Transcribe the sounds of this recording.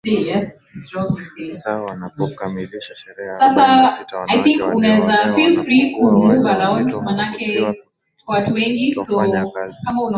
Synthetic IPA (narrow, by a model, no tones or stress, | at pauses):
sejɛs | itsɹɔblise | sasaajθĩŋkunaɛzafilfɾikumuvaɾãʊ̃ndmanakɛ | kwawatuwɛŋɡisokamauna